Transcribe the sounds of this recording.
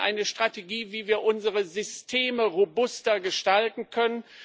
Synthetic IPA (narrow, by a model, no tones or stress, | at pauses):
ʔa̰ɪnəʃtʁ̥ateɡiːviːviːɐʔʊnzəʁəzʏstʰeːməʁobʊstɐɡəʃtaltn̩kʰœnən